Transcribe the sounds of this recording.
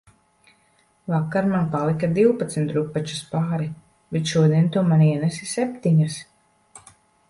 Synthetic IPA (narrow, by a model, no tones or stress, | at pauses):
vakːaɾmanpalˠikad̪iwpat̪smit̪ɾupːat͡ʃu̥spaːɾi | bɛt̪ʃuɔd̪iɛnt̪uɔmaniɛnɛsisɛpʲt̪iɲas